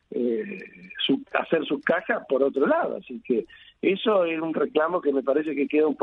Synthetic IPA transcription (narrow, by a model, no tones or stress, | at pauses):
e | sua̰seɾsukaxapoɾot̪ɾolaðo̰a̰sikeesoesunreklamo̞kemepaɾes̬e̞kekeðaump